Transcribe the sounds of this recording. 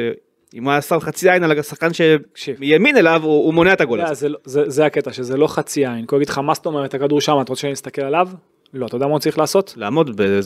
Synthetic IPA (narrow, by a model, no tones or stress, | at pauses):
imasavχat͡siainalaɡasaχkanʃeʃijamine̞lavuːmo̞neaet̪aɡoleazelzezeaket̪aʃezelo̞χat͡siainkoɡid̪χamast̪o̞me̞ʁet̪hakad̪uʁʃamat̪aʁot͡seʃanimist̪ake̞lalav | lo̞at̪od̪amat͡saʁiχlaːso̞t̪laːmo̞dbe